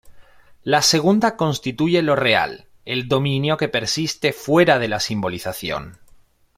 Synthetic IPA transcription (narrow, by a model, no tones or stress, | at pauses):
lase̞ɣ̞und̪ako̞nst̪it̪uʝe̞lo̞re̞a̰l | e̞ld̪o̞mĩnjo̞ke̞pe̞ɾsist̪e̞fwe̞ɾað̞e̞lasimbo̞liθaθjo̞̰n